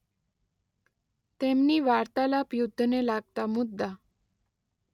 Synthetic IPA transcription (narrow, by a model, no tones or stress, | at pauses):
t̪emniːʋaɾt̪alapjud̪ʱːnelaɡ̚t̪amud̪ːa